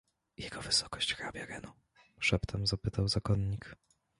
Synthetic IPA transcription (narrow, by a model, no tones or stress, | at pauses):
jɛɡɔvɘsɔ̥kɔɕt͡ɕxɾabʲjaɾɛnu | ʂɛpt̪ʰamzapɘt̪awzakɔnːik